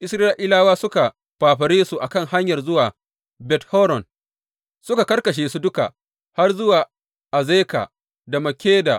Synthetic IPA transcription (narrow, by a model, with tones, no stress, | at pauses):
ʔɪ˦sɾaː˦ʔɪ˦laː˦waː˦sʊ˦ka˨ | ɸaː˨ɸɐ˨ɾeː˦su˨ʔa˨kɐ˦˨ŋha˦ɲjɐ˨rzʊ˦waː˨ | bɛ˨thɔ˦ɾɔ˨n | sʊ˦ka˨kɐ˦rkɐ˨ʃ̬eː˨su˦dʊ˦ka̰˨ʔ | ha˦rzʊ˦waː˨ | ʔa˨zeː˦ka̰ː˨ | da˨mɐ˨kʲeː˦da̰˨